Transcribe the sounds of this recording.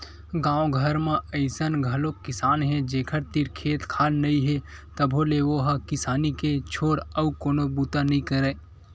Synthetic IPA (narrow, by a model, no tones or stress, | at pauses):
ɡãːõɡʱəɾmẽəɪsənɡʱɐlokɪsaːnɦɛd͡ʒeːkʰəɾt̪iɾkʰeːt̪kʰaːlnɐĩɦet̪əbʱoleʋoɦkɪsaːniket͡ʃʰoːɾɐkoːnobut̪anɐĩkəɾeː